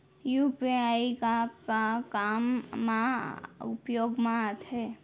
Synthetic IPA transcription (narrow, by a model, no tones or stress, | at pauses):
jupiaikakakamːãʊ̰pjoːɡmãt̪ɦɛ